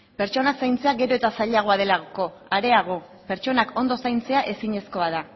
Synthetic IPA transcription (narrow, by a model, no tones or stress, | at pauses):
pe̞ɾt͡ʃo̞nasajnt͡se̞aɡe̞ɾo̞e̞t̪asaʎaɣ̞o̞að̞e̞laɣko̞ | aɾe̞aɣ̞o̞ | pe̞ɾt͡ʃo̞nakʰo̞nd̪o̞sajnt͡se̞aʔe̞siɲe̞sko̞að̞a